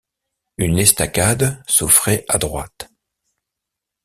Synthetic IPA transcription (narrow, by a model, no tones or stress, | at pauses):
ynɛst̪akʲad̪sufχɛʔad̪ʁwat̪